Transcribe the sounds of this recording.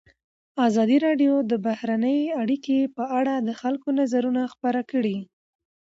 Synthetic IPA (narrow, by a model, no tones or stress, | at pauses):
azɑd̪iɾɑɖjod̪əbahɾanəjaɽikepəaɽad̪əxalkonazaɾunaxpaɾakəɽi